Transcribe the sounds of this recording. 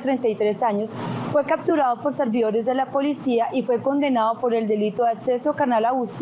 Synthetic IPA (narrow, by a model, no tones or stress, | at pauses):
t̪ɾe̞nt̪ajt̪ɾe̞saɲo̞sfwe̞kap̚t̪uɾaðo̞po̞ɾse̞ɾbiðo̞ɾe̞zd̪e̞lapo̞lisiaʔifwe̞ko̞nd̪e̞naðo̞po̞ɾe̞ld̪e̞lit̪oakse̞so̞kaɾnalaus